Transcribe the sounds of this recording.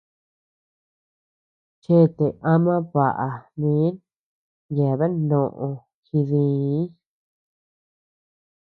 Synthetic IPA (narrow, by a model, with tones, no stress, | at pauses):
t͡ʃe˦˨t̪e˨ʔa˦mã˦βa˨ʔa˨nĩ˨˦n | je˨βe˦nõ˨ʔõ˧ | xi˧ðĩ˧˦